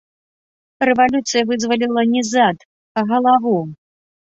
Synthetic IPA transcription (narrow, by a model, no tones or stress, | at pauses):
rɛvalʲut̪sɨjɐvɨzvɐlʲilˠɐnʲɛzat̪ | aɣɐlˠavu